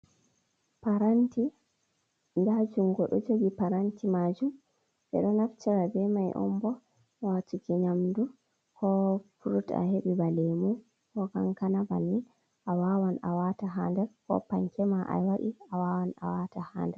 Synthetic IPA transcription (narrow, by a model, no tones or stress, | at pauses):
paɾanti | ndad͡ʒumɡɔɗɔd͡ʒoɡipaɾantʰimad͡ʒum | ʔɛ̰ɗɔnaft͡ʃiɾabɛmajʔɔ̰mbɔ | watukiɲamdu | kʰɔfuɾuta̰heɓibalɛmu | kɔka̰ŋkanaba̰nːi | ʔawawana̰wataɦandɛɾkɔ̰paŋkʰɛmaʔa̰jwaɗiawaːwana̰wataha̰ːndɛɾ